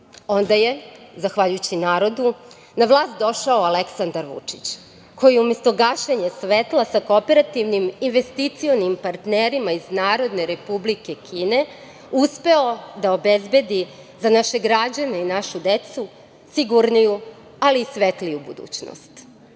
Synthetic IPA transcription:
o̞nd̪aje̞zaxʋaʎujut͡ɕinaːɾo̞d̪u | naʋlˠaːst̪̚d̪o̞ʃaoaleksand̪aɾʋṵt͡ʂi̥t͡ɕ | ko̞jijeumest̪o̞ɡaʃeɲe̞sʋet̪lˠasakopeɾat̪iʋniminʋe̞st̪it̪sio̞nimpaɾt̪neɾimaiznaːɾo̞d̪ne̞ɾe̞publike̞kʰiːne̞ | uspe̞o̞d̪aobezbe̞d̪i | zanaʃe̞ɡɾad͡ʑane̞inaʃud̪et̪su | siɡuɾniju | aliːsʋet̪lijubṵd̪ṵːt͡ɕno̰st̪

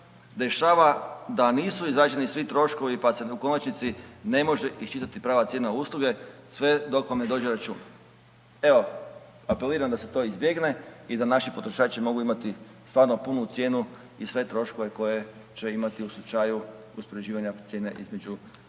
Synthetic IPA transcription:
d̪e̞ʃaːʋad̪aniːsuizɾaːd͡ʒe̞nisʋit̪ɾo̞ʃko̞ʋipase̞uko̞nat͡ʃnit̪sine̞mo̞ʒe̞ʔiʃt͡ʃit̪at̪ipɾaːʋat̪jeːnauslˠuɡe̞sʋe̞d̪o̞kʋamned̪o̞ːd͡ʑeɾat͡ʃṵːna | e̞o̞ | ape̞liːɾamd̪ase̞t̪o̞izbje̞ɡne̞id̪anaʃipo̞t̪ɾoʃaːt͡ʃimo̞ɡuimat̪i | st̪ʋaːɾno̞punut̪sje̞ːnu | isʋe̞t̪ɾo̞ʃko̞ʋe̞ko̞je̞t͡ʃe̞imat̪iuslˠut͡ʃaju | uspoɾed͡ʑiːʋaɲat̪sje̞ːne̞ʔizme̞d͡ʒu

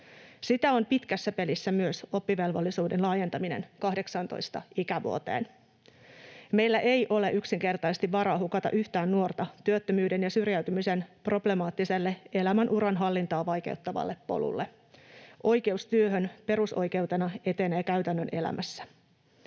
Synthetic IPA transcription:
sit̪æompit̪kæsːæpe̞lisːæmyøso̞pːiʋe̞lʋolːisuːdenlɑːje̞nt̪ɑminḛnkɑhde̞ksɑnt̪o̰jst̪ɑ̰ʔikæʋṵot̪ḛːn | me̞jlːæʔe̞jʔo̞le̞ʔyksiŋke̞rt̪ɑsest̪iʋʋɑɾɑːɦukɑt̪ɑ̰ʔyht̪æːnːuo̞rt̪ɑt̪yøt̪ːømyːde̞njɑsyrjæyt̪ymise̞nproble̞mɑːt̪ːise̞lːee̞læmænʔuɾɑnɦɑlːint̪ɑːʋɑjk̟ḛut̪ːɑʋɑ̰lːepːo̞̰lṵlːe | ʔo̞jke̞ust̪yøɦønpe̞ɾuso̞̰jke̞wt̪e̞nɑe̞t̪enæjkæɥt̪ænːøne̞̰læ̰mʔæsːæ̥

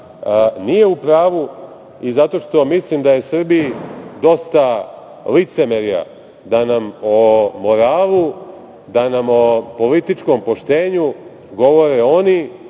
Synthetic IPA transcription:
nije̞upɾaːʋu | izat̪o̞ʃt̪o̞mislimd̪aje̞sr̩bijid̪o̞st̪a | lit̪se̞meɾija̰ | d̪anamomo̞ɾaːlu | d̪anamo̞po̞lit̪it͡ʃko̞mpo̞ʃt̪e̞ːɲu | ɡo̞ʋo̞ɾeo̞ni

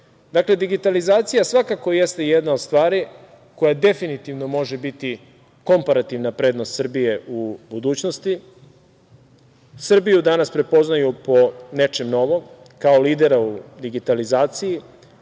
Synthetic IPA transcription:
d̪akle̞d̪iɡit̪alizaːt̪sijasʋakako̞jest̪ejed̪naod̪st̪ʋaːɾi | ko̞jad̪e̞finit̪iʋno̞mo̞ʒe̞bit̪i | ko̞mpaɾat̪iʋnapɾe̞ːd̪no̞st̪sr̩bije̞ʔubud̪uːt͡ɕnost̪i | sr̩bijud̪anaspɾe̞po̞znajupo̞ne̞t͡ʃe̞mno̞ʋo̞m | kaoliːd̪e̞ɾaud̪iɡit̪alizaːt̪siji

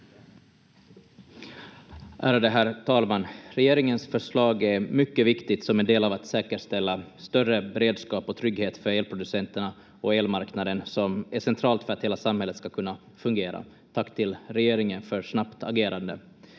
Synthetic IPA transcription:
ʔæːɾad̪ɛɦæːɾt̪ʰɑːlmanːɾɛjeːɾɪŋənsfœʂɭɑːɡæɾmʏkːəvɪkt̪ɪt̪sɔmɛnd̪eːlavat̪sɛːkəʂt̪ɛlːast̪œrəbɛɾeːd̪skɑːpɔt̪ʰɾʏɡheːt̪fœɾeːlpʰɾʊd̪ɵsɛnt̪əɳa | ɔeːlmaɾknad̪ənsɔmæʂɛnt̪ʰɾɑːlt̪fœɾat̪heːlasamhɛlːət̪skakʰɵnːa | fɵŋɡeːɾa̰ | t̪ʰakːt̪ʰɪlɾɛjeːɾɪŋənfœɾʂnapt̪ʰaɡeːɾand̪ə̰

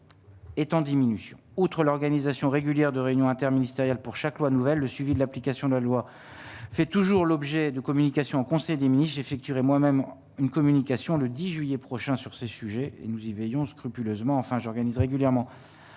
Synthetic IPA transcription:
et̪ɑ̃d̪iminysjɔ̃ut̪χəlɔʁɡanizasjɔ̃ʁeɡʲyljɛʁd̪əʁeynjɔ̃ɛ̃t̪ɛʁminist̪eʁjalpuʁʃaklwanuvɛlːəsɥivid̪əlaplikasjɔ̃d̪əlalwa | fɛt̪uʒuʁlɔbʒɛd̪əkɔmynikasjɔ̃ːkɔ̃sɛjd̪eminist̪ʒefɛk̚t̪yʁɛmwamɛm | ynkɔmynikasjɔ̃ləd̪iʒɥijɛpχɔʃɛ̃syʁsesyʒɛḛnuzivɛjɔ̃skχypyløzmɑ̃ːfɛ̃ʒɔʁɡanizʁeɡʲyljɛʁmɑ̃

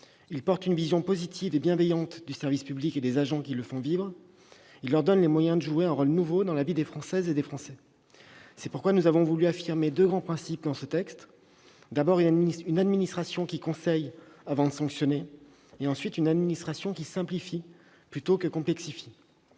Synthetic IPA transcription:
ilpɔʁt̪ynvizjɔ̃pozit̪ʰivebjɛ̃vɛjɑ̃t̪d̪ysɛʁvispybliked̪ezaʒɑ̃kʲiləfɔ̃vivʁ | ilːœʁd̪ɔnlemwajɛ̃d̪əʒueɛ̃ʁolnuvod̪ɑ̃lavid̪efχɑ̃sɛzed̪efχɑ̃sɛ | sɛpuʁkwanuzavɔ̃vulyafiʁmed̪øɡʁɑ̃pχɛ̃sip̚d̪ɑ̃sət̪ɛkst̪ | d̪abɔʁynynad̪minist̪χasjɔ̃kʲikɔ̃sɛjavɑ̃d̪əsɑ̃ksjɔne | eɑ̃sɥit̪ynad̪minist̪χasjɔ̃kʲisɛ̃plifi | plyt̪okəkɔ̃plɛksifi

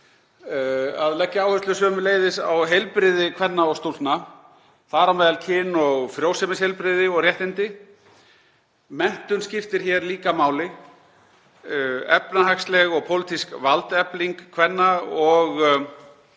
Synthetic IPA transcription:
a̰ðlɛcːaaːwhʏst̪ʏsvœːmʏleːjðɪsa̰wɦejlpɾɪðɪkʰvɛnːaɔɣst̪ult̪na | θaɾawmeːjðalcʰɪnːɔɣfɾjoːwsɛmɪshejlpɾɪðɪɔɣrjɛht̪ɪnt̪ɪ | mɛn̥t̪ʏnscɪft̪ɪɾ̥çɛɾliːkamaːwlɪ | ɛ̰pnahakslɛɣɔɣpʰowlɪt̪ʰiskvalt̪ɛpliŋkkʰvɛnːaɔɣ

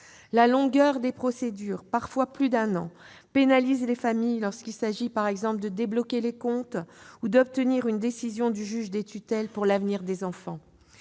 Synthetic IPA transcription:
lalɔ̃ɡœʁd̪epχɔsed̪yʁpaʁfwaplyd̪ɛ̃nɑ̃ | penalizlefamijlɔʁskʲilsaʒipaʁɛɡzɑ̃pld̪əd̪eblɔkʲelekɔ̃t̪ud̪ɔp̚t̪əniʁynd̪esizjɔ̃d̪yʒyʒd̪et̪yt̪ɛlpuʁlavniʁd̪ezɑ̃fɑ̃

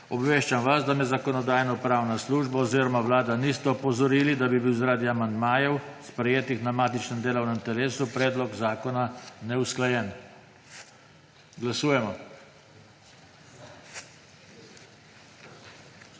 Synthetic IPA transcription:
ɔbʋeːʃt͡ʃamʋasd̪amɛzakɔnɔd̪aːjnɔpɾawnasluːʒbaɔziːɾɔmawlaːd̪anist̪ɛɔpɔzɔɾiːlid̪abibiwzaɾaːd̪iamand̪maːjɛwspɾɛjeːt̪ixnamaːt̪it͡ʃnɛmd̪eːlɔwnɛmt̪ɛɾeːsupɾɛːd̪lɔɡzaːkɔnanɛusklajɛn | ɡlasuːjɛmɔ

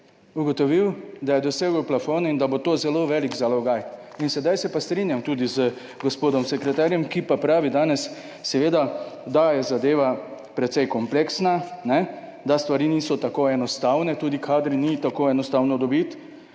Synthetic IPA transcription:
uɡɔt̪ɔʋiwd̪ajɛd̪ɔseːɡəwplafoːnind̪abot̪oːzɛloʋɛliɡzalɔɡaj | insɛd̪ajsɛpast̪ɾinjamt̪uːd̪izə | ɡɔspoːd̪ɔmsɛkɾɛt̪aːɾjɛmkipapɾaːʋid̪aːnɛsː | ɛʋeːd̪ad̪ajɛzad̪eːʋa | pɾɛt̪sɛjkɔmpleksnanɛ | d̪ast̪ʋaɾiːniːsɔt̪akoɛnɔst̪aːwnɛt̪uːd̪ikʰaːd̪ɾinit̪akoːɛnɔst̪aːwnɔd̪ɔbit̪

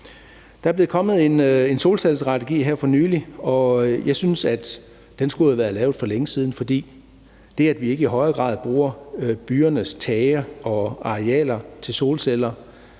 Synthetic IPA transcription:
d̥ɑ̈æɐble̝ðˠkʰɒ̽mð̩ˠe̝ne̝nso̝ːlselsd̥ʁɑ̈t͡sʰeɡ̥ḭːɦeɐ̰fɒ̽nyːliɒ̽jɑ̈ɪsynsæd̥ | d̥ensɡ̥uhæʋæːɐlɛ̰ːʊfɒ̽leŋəsiːð̞ˠn̩fɒ̽d̥ḭː | d̥e̝ææd̥ʋie̝ɡ̥əiɦɒ̽ɪɐɡ̥ʁɑ̰̈ːðˠb̥ʁuːɐb̥yːɐnəst͡sʰɛːɪɐɒ̽ɑ̈ʁeɛ̰ːlɐt͡sʰe̝lso̝ːlselɐ

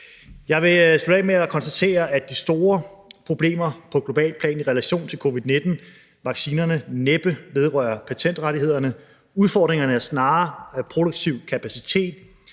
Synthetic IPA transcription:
jɑ̈ɪʋe̝sb̥elemeækʰɒ̽nsd̥æt͡sʰe̝̰ːɐæ̥d̥isd̥o̝ːɐpʰʁo̝b̥le̝̰ːmɐpʰɒ̽ɡ̥lo̝b̥ɛ̰ːlpʰlɛ̰ːniʁɛlæɕo̝̰ːnt͡sʰe̝lkʰo̝ːʋiðˠne̝d̥n̩ | ʋɑ̈ɡ̥siːnɐnəneb̥əʋeð̞ˠʁɶ̰ːɐpʰæt͡sʰen̰d̥ʁaɾie̝ð̞̰ˠɐnə | uðˠfɒ̰ːd̥ʁeŋɐnəæɐsnɑ̈ːpʰʁo̝ɾ̥oɡ̥t͡sʰiʊ̰kʰæpʰæsit͡sʰe̝̰ːd̥

